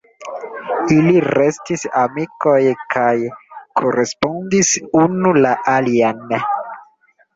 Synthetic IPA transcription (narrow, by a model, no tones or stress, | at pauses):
iliɾe̞stisamiko̞jkʰajkʰo̞ɾe̞spo̞ndisunulaʔalian